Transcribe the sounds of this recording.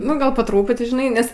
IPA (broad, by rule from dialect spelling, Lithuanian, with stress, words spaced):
nʊ ˈɡɐlˠ poː ˈtruːpʊtʲɪ ʒʲɪˈnɐɪ ˈnʲɛs